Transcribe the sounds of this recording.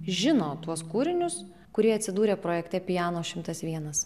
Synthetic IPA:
ʒʲɪnoːt̪uɔskuːɾʲɪnʲʊs | kʊɾʲiɛɐt̪ʲsʲɪd̪uːɾʲeːpɾoːjɛkt̪ʲɛpʲɪjɑːnoːʃʲɪmt̪ɐsʋʲiɛnɐs

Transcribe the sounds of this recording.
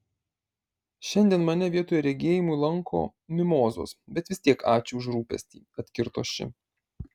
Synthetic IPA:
ʃʲɛnʲd̪ʲiɛnmɐnʲɛʋʲiɛt̪oːjɛɾʲɛɡʲeːjɪmuilˠɐŋkʰo̰ːmʲɪmoːzo̰ːsbʲɛt̪ʋʲɪst̪ʲiɛkɑːt͡ʃʲʊʊʒɾuːpʲɛ̰sʲt̪ʲiːɐt̪ʲkʲɪɾt̪o̰ːsʃʲɪ̰

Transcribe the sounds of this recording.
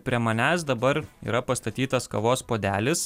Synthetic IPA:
pʲɾʲiɛmɐnʲæːs̬d̪ɐbɐɾḭːɾɐpɐst̪ɐt̪ʲiːt̪ɐskɐʋoːspoːd̪ʲæːlʲɪs

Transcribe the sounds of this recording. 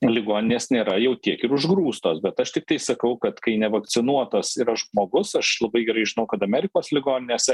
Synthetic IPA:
lʲɪɡoːnʲɪnʲeːsnʲeːɾɐjɛʊt̪ʲiɛkɪɾʊʒɡɾuːst̪oːsbʲɛt̪ɐʃt̪ʲɪk̚t̪ɐɪsɐkɐʊkɐt̪kɐɪnʲɛʋɐkt͡s̪ʲɪnuɔt̪osiɾɐʒmoːɡʊsɐʃlˠɐbɐɪɡʲɛɾɐɪʒʲɪnɐʊkɐt̪ɐmʲæːɾʲɪkoːslʲɪɡoːnʲɪnʲeːsʲ

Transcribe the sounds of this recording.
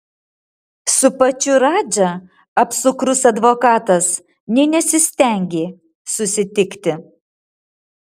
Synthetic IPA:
sʊpɐt͡ʃʲʊɾɑːd͡ʒʲɐ | ɐpsʊkɾʊsɐd̪ʋoːkɑːt̪ɐs | nʲɛɪnʲɛsʲɪsʲt̪ʲɛˑŋʲɡʲeː | sʊsʲɪt̪ʲɪkt̪ʲɪ

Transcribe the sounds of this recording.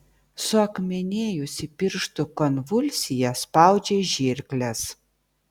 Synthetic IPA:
sʊɐkmʲɛnʲeːjʊsʲɪpʲɪɾʃt̪ʊkɔnʋʊlʲsʲɪjɛspɑˑʊd͡ʒʲeːʒʲɪɾʲklʲɛs

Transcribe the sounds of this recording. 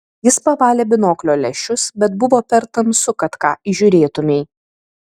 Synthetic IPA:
jɪspɐʋɑːlʲeːbʲɪnoːklʲoːlʲɛʃʲʊsbʲɛt̪̚bʊʋoːpʲɛɾt̪ɐmsʊkɐt̪kɑ̰ːʔiʒʲʊɾʲeːt̪ʊmʲɛɪ

